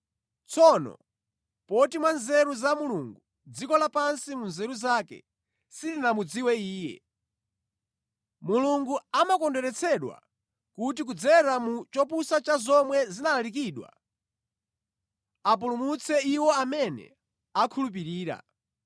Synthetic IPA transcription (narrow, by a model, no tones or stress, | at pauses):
t͡sʰɔnɔ̰ | pɔtimwanzɛɾuzamuluŋɡu | d͡zikɔlapansimunzɛɾuzaːkɛ̰ | silinamud͡ziwɛiːjɛ̰ | muluŋɡuamakɔndɛɾɛt͡sʰɛɗwa̰ | kutik̬ud͡zɛɾamut͡ʃɔpusat͡ʃazɔmwɛzinalalik̬iːɗwa̰ | ap̬ulumut͡sʰɛiwɔamɛnɛ̰ | akʰulup̬iɾiːɾa̰